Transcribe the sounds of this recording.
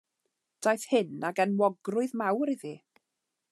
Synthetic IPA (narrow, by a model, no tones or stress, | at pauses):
d̥ajθhɪnaɡɛnwɔɡrʊɨðmawɾiði